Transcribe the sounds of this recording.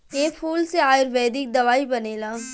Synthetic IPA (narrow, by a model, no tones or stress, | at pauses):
eːpʰuːlseaːɪɾʋɛːd̪ɪk̚d̪ɐʋaːibɐneːlaː